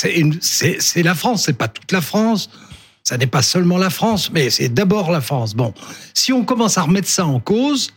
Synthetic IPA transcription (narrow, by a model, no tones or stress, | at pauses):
sɛynsɛsɛlafχɑ̃sːɛpat̪u̥t̪lafχɑ̃sː | anɛpasœlmɑ̃lafχɑ̃smɛsɛ̰d̪abɔʁlafχɑ̃s̬bɔ̃siɔ̃kɔmɑ̃saʁəmɛt̪χsaɑ̃koːz